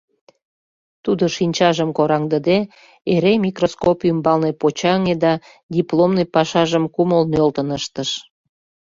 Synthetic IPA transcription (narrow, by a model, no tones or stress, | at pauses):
t̪ud̪oʃinʲt͡ɕɑʒəmkoɾɑŋd̪əd̪e | eɾemʲikroskopʲiymbɑlnepot͡ɕɑŋed̪ɑ | d̪ʲiplomnəjpɑʃɑʒəmkuməlnølt̪ənəʃt̪əʃ